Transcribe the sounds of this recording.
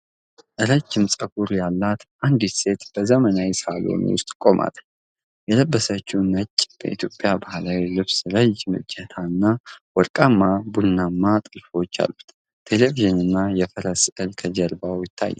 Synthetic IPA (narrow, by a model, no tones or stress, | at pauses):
ʔɨɾəd͡ʒːɪmsʼəɡuɾjalːat̪ʔand̪ise̞t̪b̥əzəmənawsalo̞̰n̰wʊ̰st̪ʼkʼo̞mʔa̰t̪ | jɛləbːəsət͡ʃːuwnət͡ʃʼːb̥ə̰ʔit̪ʰjo̞pʼjabahlawilɨβsɾəd͡ʒmɨ̰d͡ʒɛt̪ʰaɨnːawɔɾkʼamːabunːamːat̪ʼɨlfo̞t͡ʃːa̰lːut̪ | t̪ʰe̞le̞viʒɨnɨnːajɛfəɾəsɨlkʰəd͡ʒɛɾbawjɪt̪ʰːa̰jːɛ